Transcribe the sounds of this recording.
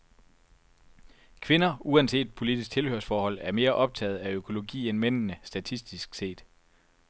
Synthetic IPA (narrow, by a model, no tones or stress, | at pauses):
kʰʋe̝nɐuænse̝̰ːd̥pʰo̝lid̥isɡ̥̚t͡sʰe̝lhøɐsfɒːhɒ̽l̰æɐme̝ːɐʔɒ̽b̥̚t͡sʰɛ̰ːð̞̩ˠæøkʰo̝lo̝ɡḭːenmen̰nəsd̥æt͡sʰisd̥isɡ̥se̝̰ːd̥